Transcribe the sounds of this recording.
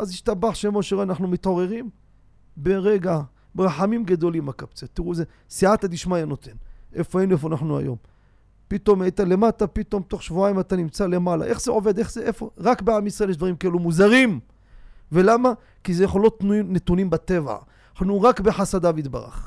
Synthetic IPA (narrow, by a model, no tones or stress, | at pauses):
aziʃtabaħʃemo̞ʃeʁeanaħnumit̪o̞ʁe̞ʁim | be̞ʁeɡa | beʁaħamimɡad̪o̞limakapt͡set̪iʁuze | siat̪ad̪iʃmajano̞t̪enefoaenuef̬oanaħnua̰jo̞̰m | pit̪o̞majt̪ale̞mat̪apit̪o̞mt̪o̞χʃvuajimat̪animt͡sale̞mala̰ʔe̞χzeo̞ve̞d̪eχzeʔefo̞̰ʁakbeamisʁaejeʃd̪vaʁimkaelumuzaʁim | ve̞lama | kizejeχolot̪nuinet̪unimbat̪eva̰ | aħnuʁakbe̞ħasad̪avit̪ba̰ʁa̰χ